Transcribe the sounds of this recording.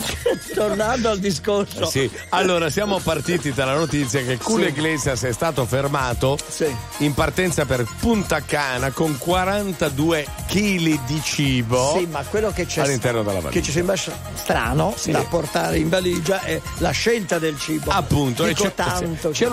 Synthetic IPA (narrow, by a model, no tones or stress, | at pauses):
t̪ornand̪oald̪iskorsosi | alːoːɾasjaːmopart̪iːt̪id̪alːanot̪it̪sːjakekːulːeɡlɛːzjasɛst̪aːt̪ofermaːt̪osiimpart̪ɛnt̪saperpunt̪akaːnakoŋkwaɾant̪ad̪uːe | kiːlid̪it͡ʃiːbosimakːwelːoket͡ʃallːint̪ɛrnod̪ḛlːa̰va̰et͡ʃːis̬ɛmbɾa | st̪ɾa̰ːnosd̪apːort̪aːɾeiɱvaliːd͡ʒaʔɛ | laʃːelt̪ad̪elt͡ʃiːboapːunt̪okt̪ant̪ot͡ʃɛ